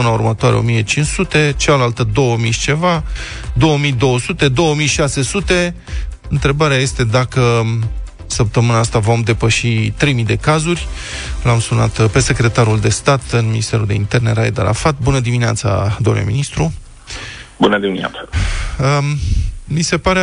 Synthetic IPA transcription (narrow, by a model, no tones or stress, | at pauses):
ɨnaurmət̪oaɾeo̞̰mije̞t͡ʃinssut̪e̞t͡ʃalalt̪əd̪o̞wəmiʃt͡ʃe̞va | d̪o̞wəmid̪o̞wəsut̪e̞d̪o̞wəmijʃase̞sut̪e̞ | ɨnt̪ɾe̞baɾeaje̞st̪e̞d̪akə | səp̚t̪əmɨnaːst̪avo̞md̪e̞pəʃit̪ɾe̞jmid̪e̞kazurʲlamsuna̰t̪pe̞se̞kɾʲe̞t̪aɾuld̪e̞st̪at̪ɨnminist̪e̞ɾuld̪e̞ḭnt̪e̞rne̞ɾajd̪a̰ɾʔa̰fat̪̚bunəd̪iminea̰t̪sa̰d̪o̞mnulḛmḭnist̪ɾu | bunəd̪imina̰t̪saə | mise̞paɾe